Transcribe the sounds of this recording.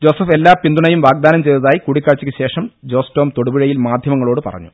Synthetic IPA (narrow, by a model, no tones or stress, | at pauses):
d͡ʑo̞ːsɐfelːaːpind̪uɳɐjumʋaːɡ̚d̪aːnɐmt͡ɕe̞jt̪ɐðaːjikuɽikʲːaːɻt͡ɕːikʲːɨɕe̞ːʂɐmd͡ʑo̞ːsto̞ːmt̪oɽubiɻɐjilmaːd̪ʱjɐmɐŋːɐɭo̞ːɽɨpɐ̰rɐ̰ɲːu